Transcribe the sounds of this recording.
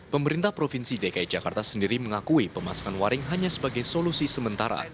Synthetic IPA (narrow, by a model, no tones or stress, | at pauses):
pəməɾint̪ahpɾofinsidekaid͡ʒakart̪asəndiɾiməŋakuipəmasḁkanwaɾɪŋɦaɲasəbaɡajsolusisəmənt̪aɾa̰